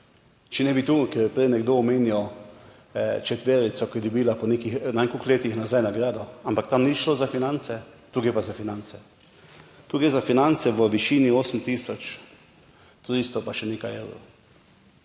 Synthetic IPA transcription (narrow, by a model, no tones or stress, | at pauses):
t͡ʃɛnɛbit̪uːkɛɾpɾɛjnɛɡd̪oɔmeːniɔ | t͡ʃɛt̪ʋeːɾit̪sɔkɔɛd̪ɔbilapɔnekixnanekukleːt̪ixnazajnaɡɾaːd̪ɔampakt̪amniʃloːzafinant̪sɛt̪uːɡɾepazafinant̪sɛ | t̪uːɡɾezafinant̪sɛʋəʋiʃiːnioːsəmt̪iːsɔt͡ʃ | t̪ɾist̪ɔpaʃɛneːkajḛːwɾo̰